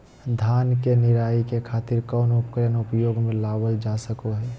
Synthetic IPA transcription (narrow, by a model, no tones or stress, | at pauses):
d̪ʱaːnkenɪɾaːikekʰaːt̪ɪɾkɔːnʊpkəɾənʊpjoːɡmẽlaːwəld͡ʒaːsəkoɦɛː